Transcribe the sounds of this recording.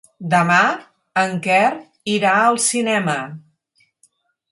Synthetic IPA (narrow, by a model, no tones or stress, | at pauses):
d̪əma | əŋkɛr | iɾaəlˠsinɛmə